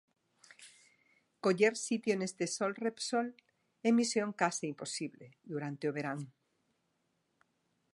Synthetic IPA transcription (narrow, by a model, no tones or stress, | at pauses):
koʎeɾsit̪jonest̪esolrepsol | emisjoŋkasiimposiβleðuɾant̪eoβ̞eɾaŋ